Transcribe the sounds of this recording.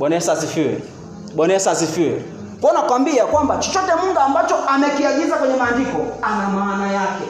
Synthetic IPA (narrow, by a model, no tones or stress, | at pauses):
ɓɔnɛsasifiɛ̰ | ɓɔnɛsasifiɛ̰ | kɔɔnakwambiakwambat͡ʃɔt͡ʃɔtɛmuŋɡaːmbat͡ʃɔʔamɛkiaɡizakwɛɲɛmaːndikɔanamaːnajakɛ